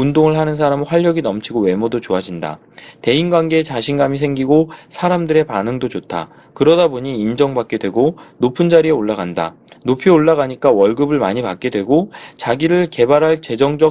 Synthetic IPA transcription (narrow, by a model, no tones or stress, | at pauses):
undoŋɯɭɦanɯnsʰaɾamɯɸwaʎːjʌɡinʌmt͡ɕʰiɡowe̞mʌdot͡ɕoad͡ʑinda̰ | te̞inɡwanɡe̞ːt͡ɕaɕʰinɡamis̬ʰe̞ŋɡiɡosʰaɾamdɯɾe̞panɯŋdot͡ɕotʰa̰ | kɯɾʌdaboɲiːnd͡ʑʌŋbak͈̚e̞dwe̞ɡonopʰɯnd͡ʑaɾieoɭːaɡanda̰ | nopʰioɭːaɣaɲik͈awʌɭɡɯbɯɭmaɲipak͈̚e̞dwe̞ɡot͡ɕaɡiɾɯɭke̞baɾɦaɭt͡ɕe̞d͡ʑʌŋd͡ʑʌ